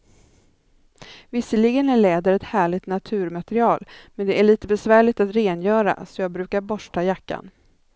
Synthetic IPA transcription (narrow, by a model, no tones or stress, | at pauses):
vɪsːəlɪɡənæɭɛːd̪əɾɛt̪hæːɭɪt̪nat̪ʰʉ̟ːɾmat̪ɛɾɪɑːlmɛnd̪ɛʔæɭiːt̪əbɛsvæːɭɪt̪at̪ɾeːnjœːɾa̰sɔjɑːɡ̚bɾʉ̟ːkaɾbɔʂʈajakːa̰n